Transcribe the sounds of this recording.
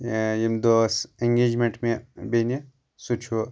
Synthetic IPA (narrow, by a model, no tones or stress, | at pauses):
jemd̪oseŋɡeːd͡ʒmeɳʈmebene | sut͡ʃʰu